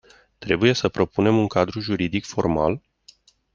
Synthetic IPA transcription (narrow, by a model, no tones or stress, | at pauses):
t̪ɾe̞buje̞səpɾo̞pune̞muŋkad̪ɾuʒuɾid̪ikfo̞rma̰l